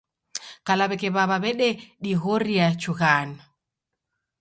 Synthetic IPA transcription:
kalaβɛkɛβaβaβɛɗɛɗiɣɔɾiat͡ʃuɣana

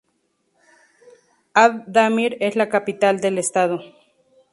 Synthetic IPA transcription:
ad̪amiɾeslakapit̪ald̪elest̪aðo

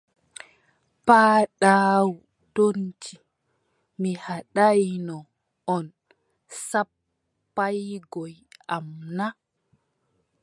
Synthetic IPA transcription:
paːɗaːwu | tont͡ʃi | mihaɗajnɔ | ɔn | sapː | ajɡɔjamna

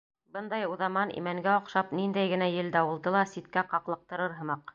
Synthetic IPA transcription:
bɤnd̪ɑjuðɑmɑnḭmæŋɡæoqʃɑpnind̪æjɡɘ̆næjɘ̆ld̪æwulˠd̪ɤlˠɑsit̪kæqɑqlˠɤ̆q̚t̪ɤ̆ɾɤɾɦɤ̆mɑq

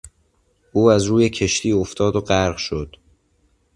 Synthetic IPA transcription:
ʔuːæzɾuːje̞cʰe̞ʃt̪ʰiːoft̪ʰɒːd̪oɢæɾʁʃod̪̥

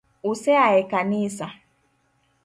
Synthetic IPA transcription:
usɛaɛkanisa

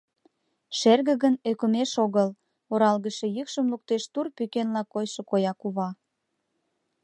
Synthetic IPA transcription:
ʃerɣə̆ɣənøkəmeʃoɣəl | oɾɑlɣəʃe̽jykʃəmluk̚t̪eʃt̪urpykenlɑkːojʃŏkojɑkuβɑ

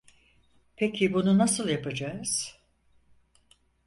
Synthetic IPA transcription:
pʰecʰibununasɯlˠjapʰad͡ʒaːz̥

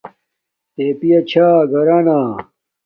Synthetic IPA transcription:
t̪eːpijɐt͡ɕʰaːɡɐɾaːnaː

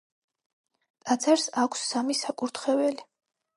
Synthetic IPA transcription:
t̪ʼat̪sʰaɾsakʷʰsːamisakʼuɾt̪ʰχɛvɛli

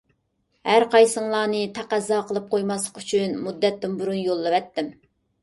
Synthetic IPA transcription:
hæɾqɑjsɨŋlˠɑːnɨt̪ʰæqæzːɑqʰəlˠɨp̚qojmɑslˠə̥qyt͡ʃʰynmud̪ːɛt̪ːɪnbuɾunjolˠːɨvɛt̪ːɪm

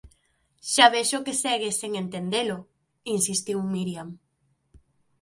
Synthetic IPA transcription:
ʃaβeʃokesɛɣeseŋent̪end̪elʊ | insist̪iwmiɾjam

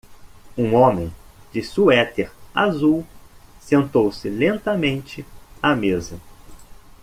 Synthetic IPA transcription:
ũõmẽj̃d͡ʒɪsuɛt̪eɾazuwsẽnt̪owsɪlẽnt̪ɐmẽnt͡ʃɪamezɐ

